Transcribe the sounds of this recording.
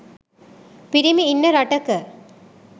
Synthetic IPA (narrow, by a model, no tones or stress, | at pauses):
piɾimiːnːɐɾɐʈɐkə